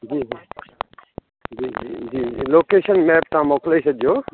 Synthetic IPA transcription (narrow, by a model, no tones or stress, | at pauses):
d͡ʒiːiː | d͡ʒiːd͡ʒiːd͡ʒiːloːkeːʃənmɛːp̚t̪ɐãːmoːkleisɐd͡ʒʱijoː